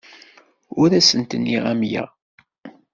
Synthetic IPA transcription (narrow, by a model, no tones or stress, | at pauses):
ʊɾæsənt̪ənːiʁæmjæ̰